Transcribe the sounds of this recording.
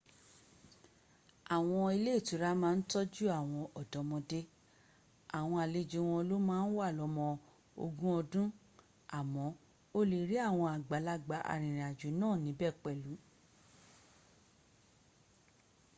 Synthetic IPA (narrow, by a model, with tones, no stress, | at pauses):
a˨w̃ɔ̃˧i˧le˦˨tu˨˦ɾa˦mãː˦n̩˦tɔ˦d͡ʒu˦a˦˨w̃ɔ̃˧ɔ˨dɔ̃˨˦mɔ̃˧de˦ | a˨w̃ɔ̃˧a˨le˨˧˨d͡ʒe˨˧˦w̃ɔ̃˧lo˦mãː˦n̩˦wa˦˨lɔ˨˧mɔ̃˧ | o̰˧ɡũ˦ɔ˧dũ˦ | a˨mɔ̃˨˦ | o˦le˧˨ɾi˦a˦˨w̃ɔ̃˧a˨ɡ͡ba˨˦la˦ɡ͡ba˨˦ʔa̰˨ɾ̃ĩ˨ɾ̃ĩ˨a˨d͡ʒu˨˦nãː˦˨nĩ˨˦bɛ˦˨k͡pɛ˦˨lu˨˦